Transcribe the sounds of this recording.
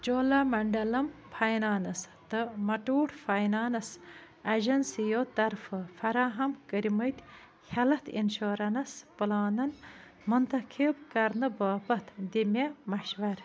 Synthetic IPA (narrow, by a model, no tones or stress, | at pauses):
t͡ʃoːlamɐɳɖɐlɐmpʰɐjnaːnɐst̪ɨmɐʈuːʈfajnaːnɐs | ɐʒɐnsijot̪ɐɾfɨfɐɾaːɦɐmkəɾiməjt̪ʲ | hʲɐlɐt̪ʰinʃoːɾɐnɐspɨlaːnɐn | mɨnt̪ɐkʰibkɐɾnɨbaːpɐt̪ʰd̪imemɐʃʋɐɾ